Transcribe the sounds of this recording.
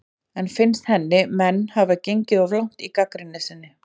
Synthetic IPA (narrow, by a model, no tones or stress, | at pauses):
ɛnfɪnst̪hɛnːɪmɛnːhavacejɲcɪðɔvlawŋ̥t̪ikakɾɪnːɪsɪnːɪ